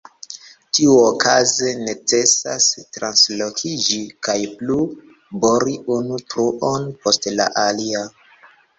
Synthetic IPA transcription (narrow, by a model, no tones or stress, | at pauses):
tiuokʰaze̞ne̞t͡se̞sastɾanslokʰid͡ʒikajplu | boɾiʔunutɾuʔonpo̞stla̰ʔalia